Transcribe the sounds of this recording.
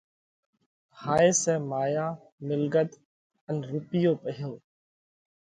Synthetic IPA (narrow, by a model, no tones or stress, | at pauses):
haːeːsɛ̃ːmaːjaː | mɪlɡət̪ | ənɾʊpɪjoːpəɦjoː